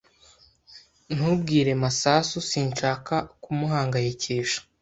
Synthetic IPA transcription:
n̥hubɡiːɾe̞masaːsusiːnʃaːkakumuɦaːŋɡajece̞ːʃḁ

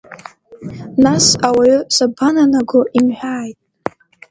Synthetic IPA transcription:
nasawaɥʏsabananaɡʊʔimħʷᶣaːjtʼ

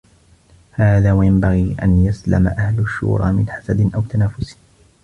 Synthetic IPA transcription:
haːðaːwajambaɣiːʔa̰njasla̰ma̰ʔahlʊʃːṵːɾˤɑ̰ːmɪnħasad̪ɪʔawt̪anaːfʊs

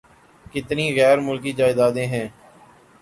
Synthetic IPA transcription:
kɪt̪niːɣɛːɾmʊlkiːd͡ʒaːɪd̪aːd̪ẽːɦɛ̃ː

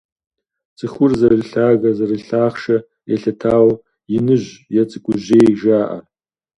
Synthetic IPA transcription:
t͡sʼɨχʊrzɐrɨɬaːɣɐzɐrɨɬaːχʂɐ | eɬɐtʰaːw | jɪnɨʒʷjat͡sʼɨkʷʼʊʑeːjʒaːʔa̰

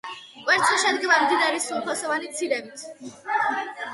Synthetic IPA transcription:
kʼwɛɾt̪sʰiʃɛd̪ɡɛvaɾmd̪id̪aɾisulˠpʰɔsɔvanit̪sʰiɾɛbit̪ʰ

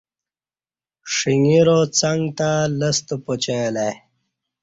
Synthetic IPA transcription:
ʂiŋiɾot͡saŋɡt̪aləst̪opot͡ɕelaj

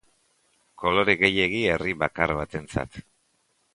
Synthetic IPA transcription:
ko̞lo̞ɾeɣe̞je̞ɣ̞ie̞riβakaɾβat̪e̞nt͡sa̰t̪

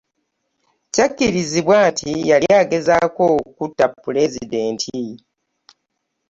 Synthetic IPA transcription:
cacːiɾiziβwaːntʰijalijaːɡe̞zako̞kutːapːule̞zide̞ːntʰi

